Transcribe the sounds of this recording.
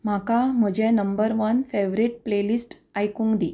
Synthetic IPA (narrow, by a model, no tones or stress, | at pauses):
m̤akam̤əd͡ʑẽnəmbəɾʋənfeʋɾiʈ̚plelisʈ | ajkũŋɡd̪i